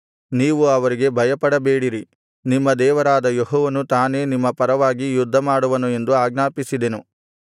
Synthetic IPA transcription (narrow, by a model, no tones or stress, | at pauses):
niːʋuɐʋɐɾiɡe̞bʱɐjɐpɐɽɐbeːɽiɾi | nimːɐd̪ɛːʋɐɾaːd̪ɐjeɦɔːʋɐnut̪aːne̞ːnimːɐpɐɾɐʋaːɡijud̪ʱːɐmaːɽuʋɐnue̞nd̪uaːɡnaːpisid̪e̞nu